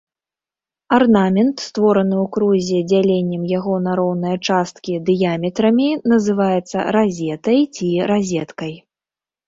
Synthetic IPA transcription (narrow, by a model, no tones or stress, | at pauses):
arnamʲɛnt̪st̪vɔɾɐnɨwkɾuzʲɛd͡zʲalʲenʲːɛmjaɣɔnaɾɔwnɐjɐt͡ʂast̪̚kʲid̪ɨjamʲɛt̪ɾɐmʲinɐzɨvajɛt̪sːɐ̰ɾazʲɛt̪ɐjt͡sʲiɾazʲɛt̪kɐj